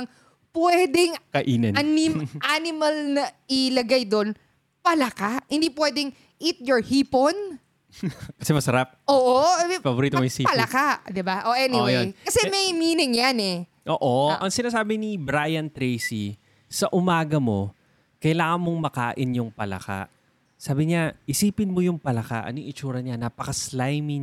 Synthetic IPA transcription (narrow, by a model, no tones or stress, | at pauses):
ɐŋ | pwɛd̪ɛŋkɐʔiːnɐnanɪʔanɪmɐlnɐɪlɐɡajd̪o̞n | pɐlɐkaʔhɪ̃nd̪iːpwɛd̪ɛŋ | ʔit̪̚joɹhipon | kɐsɛmɐsɐɾap̚ʔoːʔofɐboɾiːt̪omojʊsipɐlɐkaʔd̪ɛbaʔoʔɛniwejonkɐsɛmɐjmiːnɪŋjanɛ | ʔoːʔoʔɐŋsɪnaːs̬aːbɪnibɾaːjɐnt̪ɾejsi | sɐʔʊmaːɡɐmo̞ | kɐjlaːŋɐnmoŋmɐkaːʔɪnjʊŋpɐlɐ̰ka̰ʔ | saːbɪɲaʔɪsiːpɪnmojʊŋpɐlɐka̰ʔɐ̰niʔɪt͡ʃuːɾɐɲanapɐkɐslajmɪ